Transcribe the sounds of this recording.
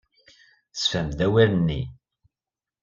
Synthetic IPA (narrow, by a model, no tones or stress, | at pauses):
sfæmdæwæɾənːi